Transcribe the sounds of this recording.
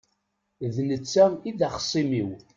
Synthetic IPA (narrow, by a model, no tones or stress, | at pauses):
ðnət͡sːæiðæχə̥sˤːimiw